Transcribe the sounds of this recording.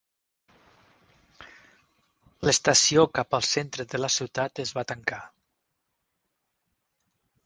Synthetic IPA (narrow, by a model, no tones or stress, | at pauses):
ləst̪əsiokapəlˠsent̪ɾəðələsiwt̪at̪əzβat̪əŋka